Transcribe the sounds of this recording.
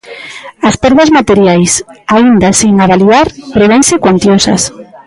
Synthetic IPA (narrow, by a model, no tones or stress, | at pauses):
aspɛɾðazmat̪eɾjajsaind̪asiŋaβaliðaɾpɾeβeŋsɪkwant̪josɐ̰s